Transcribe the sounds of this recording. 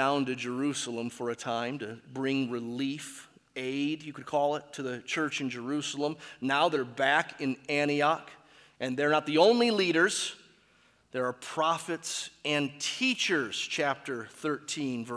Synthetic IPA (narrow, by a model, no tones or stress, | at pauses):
ãʊ̃ntɨd͡ʒə˞ʉsl̩ˠə̃ɱfə˞ɨtʰãɪ̃mtɨbɹɪ̃ŋɹɪlif | eɪdjɨkɨd̚kʰɔlˠɪtʰɨðɨt͡ʃʰɜ˞t͡ʃɨ̃nd͡ʒə˞ʉsl̩ˠə̃mnaʊðə˞bækɨ̃næ̃ɾ̃iɑk | ʔɨ̃nðə˞nət̪̚ðiõʊ̃nliliɾə˞z̥ | ðə˞ːpʰɹ̥ɑfɨtsɨ̃ntʰit͡ʃə˞z̥t͡ʃʰæp̚tə˞θɜ˞tʰĩnv